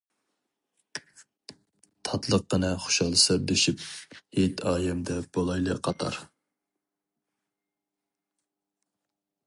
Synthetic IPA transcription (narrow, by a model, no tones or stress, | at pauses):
t̪ʰɑt̪lˠəqːənɨχo̥ʃɑlˠɨsɨɾd̪eʃip̚het̪ʰɑːjɛmd̪ɛb̥olˠɑjlˠə̰qʰɑt̪ʰɑ̰ɾ